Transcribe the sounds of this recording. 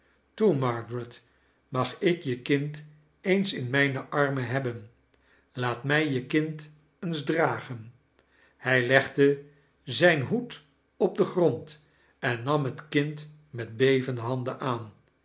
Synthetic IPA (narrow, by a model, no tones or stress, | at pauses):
tumɑɹɡɹət | mɑχɪkjəkɪnt | ejnsɪnmɛjnəʔɑɹməɦɛbən | laːtmɛjjəkɪnt | ənzdraːχən | hɛjlɛχdə | zɛjnɦut | ɔb̚dəχrɔnt | ɛnːɑmɦətkɪnt | mɛd̚bejvəndəɦɑndəʔaːn